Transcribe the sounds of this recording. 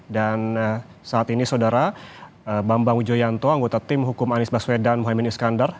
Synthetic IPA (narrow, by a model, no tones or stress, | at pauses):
dansaːt̪inisawdaɾa | əbambaŋud͡ʒojant̪ɔaŋɡot̪at̪ɪmɦukʊmanɪsbaswedanmuɦaminiskandar